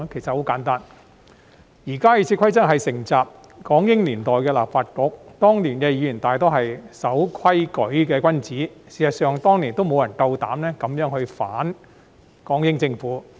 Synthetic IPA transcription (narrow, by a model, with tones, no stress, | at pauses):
kʰe˨˩sɐ˨t̚ho˨˥wkaː˨˥nt̪aː˥n | jiː˨˩kaː˥jiː˨˧t͡sʰiː˧kʷʰɐ˥jt͡sɐ˥k̚ɦɐ˨jsɪ˨˩ŋt͡saː˨p̚ | kɔː˨˥ŋjɪ˥ŋliː˨˩nt̪ɔː˨jkɛː˧la̰ː˨p̚faː˧t̚kʊ˨˥k̚t̪ɔː˥ŋliː˨˩nkɛ˧jiː˨˧jyː˨˩nt̪aː˨jt̪o˥wɦɐ˨jsɐ˨˥wkʰwɐ˥jkɵ˨˧˥ɥkɛː˧kwɐ˥nt͡siː˨˥siː˨˩sɐ˨t̚sœː˨˧ŋt̪ɔː˥ŋli˨˩nt̪o˥wmo˧wjɐ˨˩nt̪ɐ˧wt̪a̰ː˨˥mnɛː˥kɐ˨˧mjœː˨˥ŋhɵ˧ɥfaː˨˥n | kɔː˨˥ŋjɪ˥ŋt͡sɪ˧ŋfuː˨˥